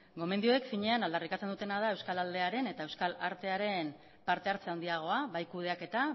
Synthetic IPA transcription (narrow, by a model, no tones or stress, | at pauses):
ɡo̞me̞nd̪io̞ekfiɲe̞anald̪arikat͡se̞nd̪ut̪e̞naðae̞wskalald̪e̞aɾe̞ne̞t̪ae̞wskalaɾt̪e̞aɾe̞m | paɾt̪e̞aɾt͡seand̪iaɣ̞o̞aβajkuð̞e̞ake̞t̪a